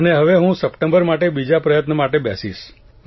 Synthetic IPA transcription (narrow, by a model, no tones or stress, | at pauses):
əneɦəʋeɦũsəpʈə̃mbəɾmaʈebid͡ʒapɾəjət̪nəmaʈebja̰siʃ